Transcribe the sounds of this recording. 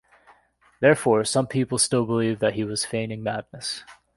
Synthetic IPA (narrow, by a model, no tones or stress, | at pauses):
ðɛɹfɔɹsʌ̃mpʰipl̩ˠstɪlˠbəlivðɨt̚ɦiwʌz̥fẽɪ̃ñɪ̃ŋmædⁿnəs